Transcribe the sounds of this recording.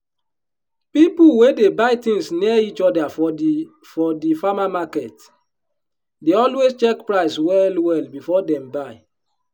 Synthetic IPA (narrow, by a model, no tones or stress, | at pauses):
pipulwedebaɪtĩŋsniit͡ʃɔdafɔ | fɔdifamamakɛt | deɔlwezt͡ʃɛkpɹaɪswɛlwɛlbifɔdɛ̃mbaɪ